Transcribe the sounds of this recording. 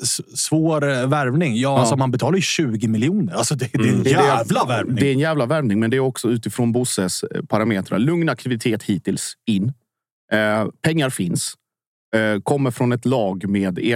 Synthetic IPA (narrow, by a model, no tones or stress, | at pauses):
ssvoːɾvæɾvnɪŋjɑːasɔmanbɛt̪ʰɑːlaɾjʏɕʉ̟ːɡɪmɪljuːnəɾalsɔd̪ɛd̪ɛnæɛvlavæɾd̪ɛɛnjæːvlavæɾvnɪŋmɛnd̪ɛæɾɔksɔʉ̟ːt̪ɪfɾoːnbʊsəspʰaɾameːt̪ɾa̰lɵŋnak̚t̪ɪvɪt̪ʰeːt̪hiːt̪ɪlsɪnː | pʰɛŋːaɾfɪns | kʰɔmːəɾfɾɔnɛt̪lɑːɡmeːd̪e